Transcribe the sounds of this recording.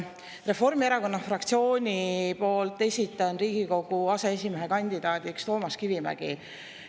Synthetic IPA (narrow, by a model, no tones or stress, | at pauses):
re̞fo̞rmieɾɑko̞nːɑfrɑk̚t̪sio̞ːnʲipo̞ːlt̪ːˑe̞sʲit̪ːˑɑnriːɡ̥iko̞ɡ̥uɑsees̬ʲimeɦe̞kɑnʲd̪̥id̪̥ɑːd̪ikst̪o̞ːmɑskivimæ̰ɡ̥il